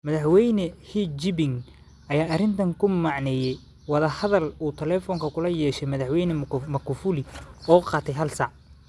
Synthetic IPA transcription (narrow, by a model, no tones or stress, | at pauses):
mɐðɐħwɛjnɛhid͡ʒɪbɪŋ | ʔɐjaːʔɐrɪnt̪ʰɐŋkʰʊmɑʕnɛjɛj | wɑðɐhɐðɐluːt̪ʰɛlɛːfɔŋkʰɐkʰʊlɐjɛːʃɛjmɐðɑħwɛjnɛmɐkʰʊfulɪɔːqɑːt̪ʰɛjɦɐlsɑʕ